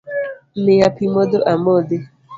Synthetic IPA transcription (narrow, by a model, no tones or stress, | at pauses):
mejapimodoʔamode